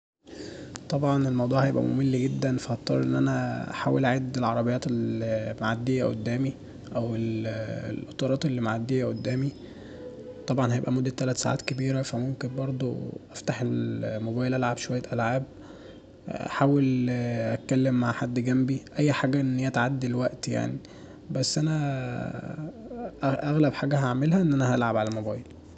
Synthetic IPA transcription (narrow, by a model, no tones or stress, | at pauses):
t̪ˤɑbʕɑnelmɑwd̪ˤuːʕhæjebʔæ̰mo̰melːɡed̪ːænfæʔɑt̪ˤːɑɾˤʔḛnːʔænæ̰ħaːwelʔaʕed̪ːelʕɑɾˤɑbejːɑːt̪elmaʕad̪ːejːæʔo̰d̪ːæːmi | ʔæwellʔot̪ˤɑɾˤɑːt̪ˤelːimaʕad̪ːejːæʔod̪ːæːmi | t̪ˤɑbʕɑnhæjebʔæmod̪ːæt̪ːælæt̪sa̰ːʕa̰ːt̪kebiːɾæfæmomkenbɑɾˤd̪ˤo̰ʔæft̪aħelmobæːjelʔælʕabʃowæjːæt̪ʔælʕaːb̚ | ʔa̰ħaːwelʔæt̪̚kælːemːaʕħad̪ːɡæmbiʔæjːħaːɡæʔenːhijːæt̪ʕad̪ːelwæʔt̪ja̰ʕni | bæsːʔænæ | ʔʔæɣlæbħaːɡæɦaʕmelhæʔenːʔænæɦælʕabʕalælmobæːjel